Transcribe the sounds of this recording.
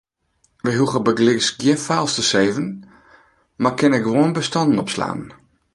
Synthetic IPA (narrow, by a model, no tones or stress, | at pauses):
ʋəjɦuɣəbəɡlɪksɡjɪnfaːlˠstəseːvən | makʰɪnɛkʋoənbəstɔndən̩ɔpsla̰ːnn